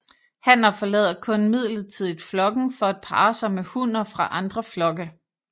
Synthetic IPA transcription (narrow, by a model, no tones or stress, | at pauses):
hæn̰ɐfɒ̽lɛ̰ːðˠɐkʰɔ̽nmið̞̰ˠləð̩ˠt͡sʰiðˠid̥flɒ̽ɡ̥n̩fɒ̽æd̥̚pʰɑ̰̈ːsɑ̈ɪmehun̰ɐfʁɑ̈ʔɑ̈nd̥ʁɐflɒ̽ɡ̥ə